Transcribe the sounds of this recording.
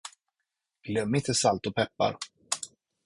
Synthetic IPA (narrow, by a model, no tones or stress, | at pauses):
ɡ̥lœmːɪnt̪əsalt̪ɔpʰɛpːa̰ɾ